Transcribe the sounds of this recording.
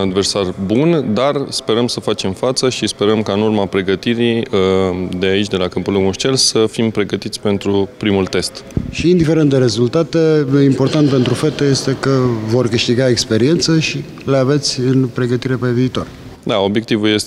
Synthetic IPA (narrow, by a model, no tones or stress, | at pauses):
ad̪versarbund̪arspe̞ɾəmsəfat͡ʃe̞mfat̪səʃispe̞ɾəmkaɨnurmapɾe̞ɡət̪iɾi | d̪eait͡ʃʲd̪e̞lakəmpuloɡmuʃt͡ʃelsəfimpɾe̞ɡət̪it̪sʲpe̞nt̪ɾupɾimult̪e̞st̪ʃiːnd̪ife̞ɾent̪d̪eɾe̞zult̪at̪e̞impo̞rt̪ant̪̚pent̪ɾufet̪eje̞st̪e̞kəvo̞rkɨʃt̪iɡaekspe̞ɾie̞nt̪səʃi | le̞ave̞t̪sʲɨnpɾe̞ɡət̪iɾe̞pe̞viːt̪o̞r | d̪ao̞bje̞k̚t̪ivulje̞s